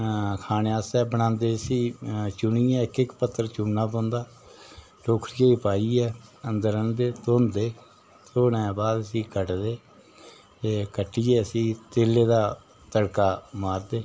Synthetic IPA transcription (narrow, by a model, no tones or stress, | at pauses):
kʰaːneːaːsɛːbəñãːnd̪eːəsĩːt͡ʃʊniːɛ̃ːkɪkpət̪ːəɾt͡ʃʊnːaːpɔ̃ːnd̪aː | ʈoːkʰɾɪjaːipaːiːɛːənd̪əɾənd̪eːt̪oːnd̪eː | t̪ʰoːnɛ̃ːbaːd̪əsĩːkəʈd̪eː | eːkəʈːiːɛːəsĩːt̪eːlːeːd̪aː | t̪əɽkaːmaːɾd̪eː